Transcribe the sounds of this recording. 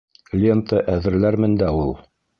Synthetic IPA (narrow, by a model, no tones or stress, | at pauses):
lʲent̪əʔæðɘ̆ɾlæɾmɘnd̪æulˠ